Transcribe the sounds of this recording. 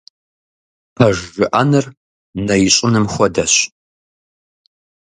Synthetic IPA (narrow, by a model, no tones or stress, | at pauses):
pʰɐʒːɨʔɐnɨr | nɐjɪɕʼɪnɨmxʷɔdɐɕ